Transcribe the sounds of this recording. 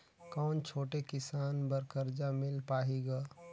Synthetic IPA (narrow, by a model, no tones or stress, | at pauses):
kɔːnt͡ʃʰoːʈekɪsaːnbɐɾkəɾd͡ʒamɪlpaːɦiɡaː